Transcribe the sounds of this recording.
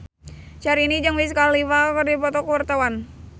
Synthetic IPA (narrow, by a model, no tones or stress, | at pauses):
t͡ʃaɾiːnid͡ʒaŋwis̬əkaliwakərdipɔt̪ɔkəwart̪awan